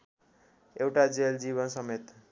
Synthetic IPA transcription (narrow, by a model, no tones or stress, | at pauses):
ewʈad͡zeld͡ziβʌnsʌmet̪